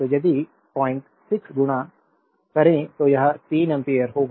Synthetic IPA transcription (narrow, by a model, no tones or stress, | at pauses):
t̪oːd͡ʒəd̪iː | paːɪɳʈ | sɪksɡʊɽãː | kəɾẽːt̪oːjɐɦat̪iːnɛmpeːəɾɦoːɡ